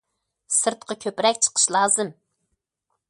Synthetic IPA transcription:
sɨɾt̪̚qʰɑkʲʰøpɾɛkʲt͡ʃʰə̥qʰə̥ʃlˠɑːzɨm

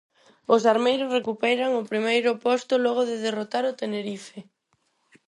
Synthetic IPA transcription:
ʊsaɾmejɾʊsrekupɛjɾaŋʊpɾimejɾʊpɔst̪ʊlɔɣ̞oðɪðerot̪aɾʊt̪eneɾife

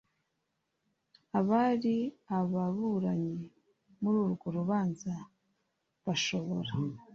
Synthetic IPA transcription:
aβaɾiaβaβuɾaɲe | muɾuːɾɡo̞ɾuβaːnza | βaʃo̞βo̞ɾa

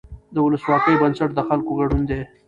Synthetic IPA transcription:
d̪əʊləswɑkəjbənsaʈd̪əxalkoɣaɖund̪e

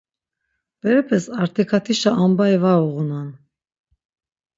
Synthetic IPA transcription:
b̥ɛɾɛpʰɛsaɾt̪ʰɛkʰat̪ʰiʃaʔːmbaɛvauɣunan

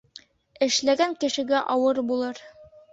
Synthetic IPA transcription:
ɘ̆ʃlæɡæŋkɘ̆ʃɘ̆ɡæʔɒwɤɾbulˠɤɾ

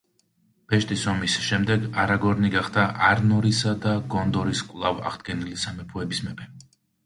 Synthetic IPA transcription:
b̥ɛʃt̪ʼisɔmisʃɛmd̪ɛɡaɾaɡɔɾniɡaχd̪aʔaɾnɔɾisad̪aɡɔnd̪ɔɾiskʼwlˠava̰ʁd̪̥ɡɛnilisamɛpʰuɛbismɛpʰɛ

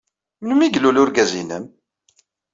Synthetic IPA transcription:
mnmiɡlulʊɾɡæzinə̰m

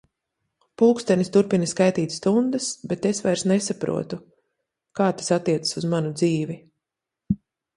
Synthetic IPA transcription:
puːkst̪ɛnʲist̪uɾpinaskajt̪iːt̪ʲst̪und̪asbet̪esvajɾsnesapɾṵɔt̪u | kaːt̪ḁsat̪ːiɛt̪ə̥suzmanud̪ziːvi

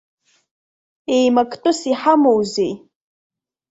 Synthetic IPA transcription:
ejmakʼʰtʼʊsiħamowzej

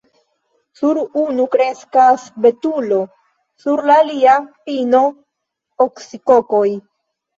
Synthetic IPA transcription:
suɾunukɾe̞skasbe̞tulo̞ | suɾlaːliapino̞ | oksiko̞koj

